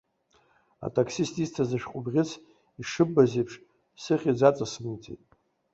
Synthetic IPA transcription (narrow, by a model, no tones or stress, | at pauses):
a̰tʼʰakʰsistʼistʰazɨʃᶣqʷʼʊbʁʲɪt͡sʰ | iʂɨbːazejpʰʂ | sɨχʲid͡zat͡sʼasmɨjt͡sʼḛtʼ